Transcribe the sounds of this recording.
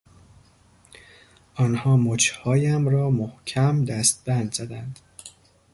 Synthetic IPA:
ʔɒːnhɒːmot͡ʃʰhɒːjæmɾɒːmohcʰæmd̪æst̪̚bænd̪z̥æd̪ænd̪̥

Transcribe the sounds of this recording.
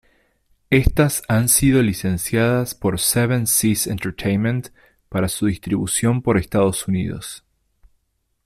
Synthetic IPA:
e̞st̪asansiðo̞lise̞nsjaðaspo̞ɾseβẽnsisḛnt̪ɛɾt̪ʰejnmẽnt̪ | paɾasuðist̪ɾiβusjo̞mpo̞ɾest̪aðo̞sunið̞o̰s

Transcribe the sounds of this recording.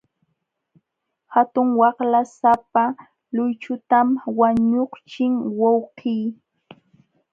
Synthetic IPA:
hat̪ʊŋwɑχlasapa | lʊjt͡ʃʊt̪amwaɲoχt͡ʃɪŋwɑwqiː

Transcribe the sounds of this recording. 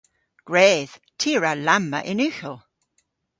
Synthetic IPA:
ɡ̥ɹɛːð̥tʰiəɹalamːə̰ʔɪnʉxəlˠ

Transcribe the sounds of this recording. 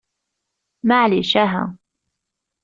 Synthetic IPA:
maʕliʃaɦa̰

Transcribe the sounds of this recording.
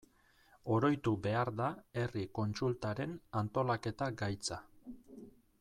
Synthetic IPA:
o̞ɾo̞jt̪ube̞aɾðae̞riko̞nt͡sult̪aɾe̞nant̪o̞lake̞t̪aɡajt͡sa

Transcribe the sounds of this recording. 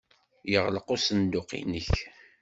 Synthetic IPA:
jəʁləqosənd̪ʊqḭnəç

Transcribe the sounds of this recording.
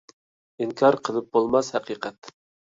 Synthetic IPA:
iŋkʰɑɾqʰəlˠɨp̚bolˠmɑshɛqiqʰɛt̪

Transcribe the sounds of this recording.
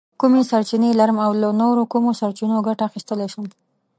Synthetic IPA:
kumesaɾt͡ʃinelaɾəmawlanoɾokumosaɾt͡ʃinoɡaʈaːxist̪əleʃəm

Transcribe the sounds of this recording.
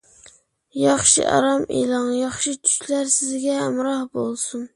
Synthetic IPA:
jɑχʃɪ̰ʔɒ̰ɾɑmḛlˠɒŋjɑχʃɪt͡ʃʰʊ̥ʃlaɾsɪzɡʲamɾɑhbolˠsʊn

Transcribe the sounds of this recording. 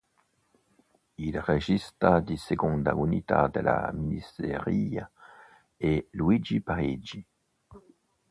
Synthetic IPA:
ilʁeʒist̪ʁad̪iseɡɔ̃nd̪a̰unit̪a̰d̪əla̰miseʁia | elwid͡ʒipaʁid͡ʒi

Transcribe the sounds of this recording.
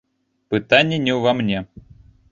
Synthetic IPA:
pɨt̪anʲːɪnʲɛwvamnʲɛ

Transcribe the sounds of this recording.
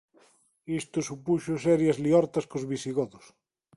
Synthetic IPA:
ist̪ʊsupuʃʊsɛɾjazliɔɾt̪ɐskozβisiɣɔðʊs

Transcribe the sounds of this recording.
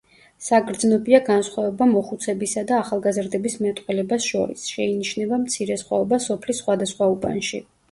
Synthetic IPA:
saɡɾd̪znɔbiaɡansχwavɛbamɔχut̪sʰɛbisad̪aːχalˠɡazɾd̪ɛbismɛt̪ʼqʼwɛlɛbasʃɔ̰ɾḭsʃɛiniʃnɛbamt̪sʰiɾɛsχwa̰ɔbasɔpʰlisχwad̪asχwaupʼa̰nʃi

